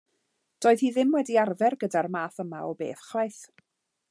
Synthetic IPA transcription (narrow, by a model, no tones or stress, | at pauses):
d̥oːɨð̥hiːðɪmwɛdiarvɛrɡədarmaːθəmaɔbḛːθχlajθ